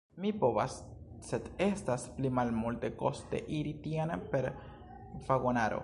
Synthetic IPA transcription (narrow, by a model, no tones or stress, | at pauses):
mipoβas | set̪est̪asplimalmult̪ekost̪ḛʔiɾit̪janapeɾ | faɣonaɾo̰